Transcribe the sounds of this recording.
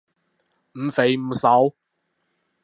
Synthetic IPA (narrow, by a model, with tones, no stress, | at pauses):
m̩˨˧˥fe˨˧˥jm̩˨˥sɐ˨˧˥w